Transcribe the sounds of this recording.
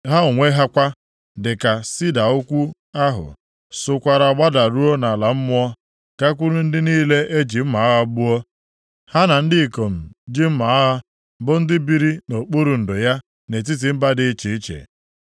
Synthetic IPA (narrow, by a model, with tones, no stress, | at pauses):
ɦa˦ʊ˨ŋʷe˦ɦa˦kʷa˦ | dɪ˨ka˨si˦da˨ʊ˦kʷu˦ | a˦ɦʊ̰˨ | sʊ˨kʷa˨ɾa˨ɡ͡ba˦da˨ɾu˦o˦na˨la˨m̩˦mʊ˦ɔ˦ | ka˦kʷu˦ɾu˦n̩˦dɪ˦niː˦le˦ʔe˦d͡ʒi˨m̩˦ma˨a˦ɦa˦bʊ˦ɔ˦ | ha˦na˨n̩˦dɪ˦i˨ko˨m̩˨d͡ʒɪ˦m̩˦ma˨a˦ɦa˦ | bʊ˦n̩˦dɪ˦bi˦ɾi˦no˨k͡pu˦ɾu˨n̩˨dʊ˨ja˦ | ne˨t̬i˦t̬i˨m̩˦ba˦dɪ˦t͡ʃe˨i˦t͡ʃḛ˨